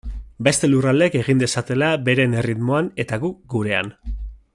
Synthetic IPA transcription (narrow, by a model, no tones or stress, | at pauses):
be̞st̪e̞lurald̪eke̞ɣ̞ind̪e̞sat̪e̞labe̞ɾe̞ne̞rit̪mo̞ane̞t̪aɣuk̚ɡuɾe̞a̰n